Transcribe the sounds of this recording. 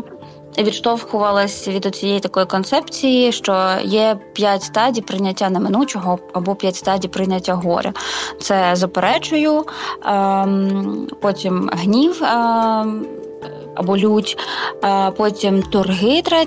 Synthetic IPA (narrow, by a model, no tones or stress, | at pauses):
ʋʲit̪ʃt̪ɔwxʊʋɐlˠɐsʲʋʲid̪ʊt͡sʲijɛjt̪ɐkɔjikɔnt̪sɛpt͡sʲijiʃt͡ʃɔjɛpʲjatʲst̪ɑdʲijpɾɪnʲɐtʲːanɐmɪnut͡ʃɔɦɔɐbɔpʲjatʲst̪ɑdʲijpɾɪnʲɐtʲːaɦɔ̰ɾʲʔɛ̰t̪sɛzɐpeɾɛt͡ʃʊjʊ | pɔtʲimɦnʲiw | ɐ̰bɔlʲutʲː | pɔtʲimt̪ʊrɦɪt̪ɾɛ